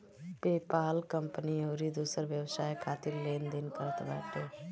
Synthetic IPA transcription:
peːpaːlkəmpəniːɦoːɾiːd̪uːsəɾʋjəʋsaːekʰaːt̪ɪɾleːnd̪ɪnpəɾət̪ʰba̰ːʈeː

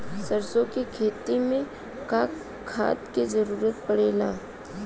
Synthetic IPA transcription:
sɐɾsõkikʰeːt̪imẽ | kaːkʰː | a̰ːt̪kizɐɾuːɾət̪̚pɐɽeːlaː

